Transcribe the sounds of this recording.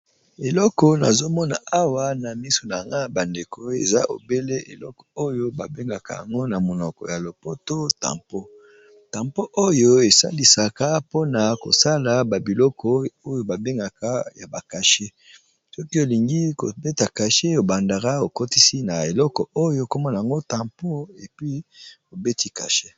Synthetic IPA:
e˨lɔ˦kɔ˦na̰˨zo˦mɔ˦na̰˨a˦wa˦na˨mi˦so˨na˨ŋɡa˦ba˨nde˨kʰo˦ḛ˨za˦ʔo̰˨be˦le˦ḛ˨lɔ˦kɔ̥˨o˦jo˦ba˨be˦ŋɡa˨ka˦˨ja̰˨ŋɡo˦na˨mo˨nɔ˨kɔ̰˨ja˨lo˨po˦to˦ta̰˨mpo˦ | tã˨mpo˦ʔo˦jo˦e˨sa̰˦ndi˨sa˨ka˦po˦na˨ko̰˨sa˦la˨ba˨bi˨lɔ˦kʰɔ˦o˦jo˦ba˨be˦ŋɡa˨ka˦ja˨ba˨ka˨ʃe˦ | sɔ˦ki˦o˨li˨ŋɡi˦ko˨be˦ta˨ka˨ʃe˦o˨ba˨nda˨ʁa˦o˨ko˦ti˦si˦na˨e˨lɔ˦kɔ˨o˦jo˦ko˦mɔ˦na˨a˨ŋɡo˦ta˨mpo˦e˨pi˦o˨be˦ti˦ka̰˨ʃe˦

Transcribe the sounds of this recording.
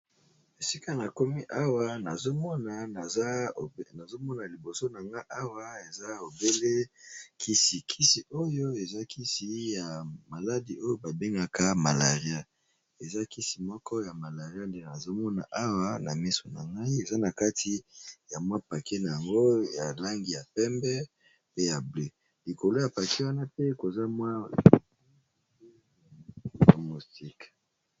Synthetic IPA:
e˨si˦ka˦na˨ko˦mi˦ʔa˦wa˦na˨zo˦mɔ˦na˨˦˨na˨zo˦mɔ˦na˨li˨bo˨so˦na˨ŋɡa˦i˦ʔa˦wa˦e˨za˦o˨be˦le˦kʰi˦si˨kʰi˦si˨ʔo˦jo˦e˨za˦kʰi˦si˨ja˨ma˨la˦di˨ʔo˦jo˦ba˨be˦ŋɡa˦ka˦ma˨la˨ʁi˦a˦ | e˨za˦ki˦si˨mɔ˦kɔ˦ja˨ma˨la˨ʁi˦a˦nde˦a˨zo˦mɔ˦na̰˨ʔa˦wa˦na˨mi˦so˨na˨ŋɡa˦i˦e˨za˦na˨ka˦tʰi˦ja˨mwa˦pa˨ke˦na˨ja˨ŋɡo˦ja˨la˦ŋɡi˨ja˨pɛ˦mbɛ˦ | pe˦ja˨ble˦ | li˨ko˨lo˦ja˨pa˨ke˦wa˦na˦pe˦ko˨za˦mwa˦ | a˨mu˨sti˦k

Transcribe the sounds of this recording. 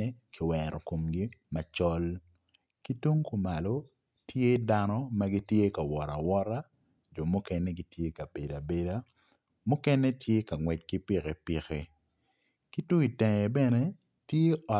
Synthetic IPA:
e˦kʰɪ˨wɛ˨ɾɔ˨ko˨mɡi˦ma˨t͡ʃɔ˦l | ki˦to˦ŋku˨ma˨lo˦ | tje˦da˦nɔ˦ma˦ɡi˦tje˦ka˨wɔ˨ɾa˨wɔ˦ɾa˦ | d͡ʒo˨mʊ˦kɛ˦nɛ˦ɡi˦tje˦ka˨be˨da˨be˨da˦ | mʊ˦kɛ˦nɛ˦tʰje˦ka˨ŋwɛ˨t̚ki˦pi˦ke˨pi˨ke˨ | ki˦tu˦i˨tɛ˨ŋɛ˨bɛ˦nɛ˦ | tje˦ɔ˨

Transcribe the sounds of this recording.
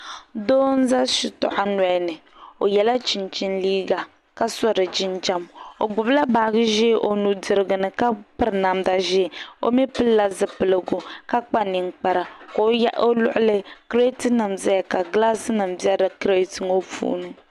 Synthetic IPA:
doː˦n̩˦za˦ʃi˨tɔ̰˨ʔa˦na˨˦nɨ˨ | o˨jɛ˨la˦t͡ʃi˨nt͡ʃi˦nliː˦ɡa˨ | ka˦sɔ˦ɾɨ˨d͡ʒɪ˦nd͡ʒa˦mo˨ɡ͡bʊ˨bla˦baː˨˦ɡɨ˦ʒeː˦ʔo˨nu˨dɨ˨ɾɨ˨ɡɨ˨nɨ˨ka˦pɨ˦ɾna˨mda˨ʒɛ˦˨o̰˦mɛ˦pɨ˦lla˦zɨ˨pɨ˨lɨ˨ɡu˨ka˦k͡pa˦ni˨ŋk͡pa˨ɾa˨ko˦ja˦ʔo˦lʊ̰˦ʔʊ˦lɨ˦kɾe˦tɨ˦nɨ˨mzɛ˦ja˨ka˨ɡla˦sɨ˦nɨ˨mbja˦dɨ˨kɾe˦tɨ˨ŋo˦fṵ˦nɨ˦

